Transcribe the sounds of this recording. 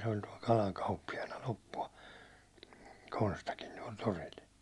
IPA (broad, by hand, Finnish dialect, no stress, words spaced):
se olʲ tuɒl kɑlɑŋ kɑupːijɑnɑ lopːuɑ konstɑkin tuɒl toril